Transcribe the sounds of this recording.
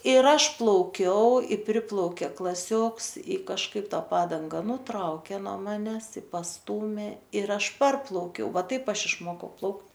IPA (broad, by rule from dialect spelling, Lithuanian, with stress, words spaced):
ɪr ˈɐʃ plˠɐʊˈkʲɛʊ ɪ ˈpʲrʲɪplˠɐʊkʲeː klˠɐˈsʲoːks ɪ kɐʃˈkɐɪp ˈtɐ ˈpɑːdɐŋɡɐ nʊˈtrɐʊkʲeː noː ˈmɑːnʲɛs ɪ pɐsˈtuːmʲeː ɪr ˈɐʃ ˈpɐrplˠɐʊkʲɛʊ ˈʋɐ ˈtɐɪp ˈɐʃ ɪʃˈmoːkɐʊ ˈplˠɐʊkt